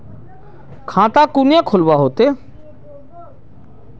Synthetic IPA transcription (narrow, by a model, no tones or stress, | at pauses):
kʰãːt̪aːkuːnjãːkʰʊlʋaːɦoːt̪eː